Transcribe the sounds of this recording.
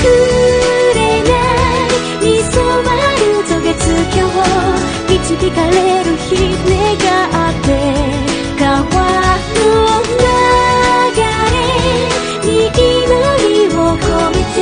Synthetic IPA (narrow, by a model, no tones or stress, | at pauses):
kɯ | ɾena | ɲisomaɾɯt̪oɡet͡sɨkʲowo | it͡ɕidikaleɾɯçineɡaʔat̪ːe̞ | kawakɯoɯɡ̪a | ɡaɾe | ɲikinoɾiwoko